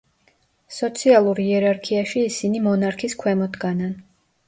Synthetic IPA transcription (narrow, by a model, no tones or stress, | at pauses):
sɔt̪sʰialˠuɾiɛɾaɾkʰiaʃiːsinimɔnaɾkʰiskʰwɛmɔd̪ɡanan